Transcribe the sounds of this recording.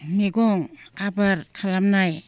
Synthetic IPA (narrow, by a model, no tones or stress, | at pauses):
miɡoŋabaɾkʰalamnaj